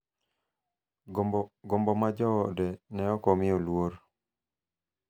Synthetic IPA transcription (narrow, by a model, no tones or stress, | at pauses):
ɡɔmbɔmad͡ʒɔɔdɛnɛɔkɔmɪɔlwoɾ